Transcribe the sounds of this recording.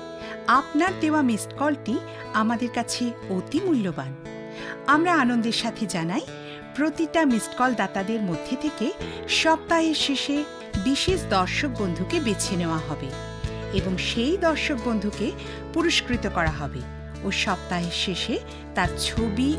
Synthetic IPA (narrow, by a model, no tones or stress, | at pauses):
apnaɾd̪eoamisʈkɔlʈi | amad̪eɾkat͡ɕʰeot̪imulːoban | amɾaanond̪eɾʃat̪ʰed͡ʑanaj | pɾot̪iʈamisʈkɔld̪at̪ad̪eɾmod̪ʱːet̪ʰeke | ʃɔb̚t̪aɦeɾʃeʃe | biʃeʃd̪ɔɾʃok̚bond̪ʱukebet͡ɕʰeneoaɦɔbe | eboŋʃejd̪ɔɾʃok̚bond̪ʱuke | puɾoʃkɾit̪okɔɾaɦɔbe | oʃɔb̚t̪aɦeɾʃeʃe | t̪aɾt͡ɕʰobi